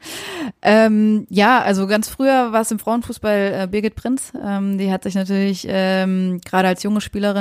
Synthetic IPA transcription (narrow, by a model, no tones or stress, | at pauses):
ʔɛːmjaːʔalzoɡant͡sfʁ̥yːɐvaːɐsɪmfʁ̥aʊənfuːsb̥alʔɛːbɪɐɡɪt̚pʁ̥ɪnsʔɛːmdiːhatz̥ɪçnatʰyːɐlɪçʔɛːmɡ̥ʁaːɾəalsjʊŋəʃpiːləʁɪ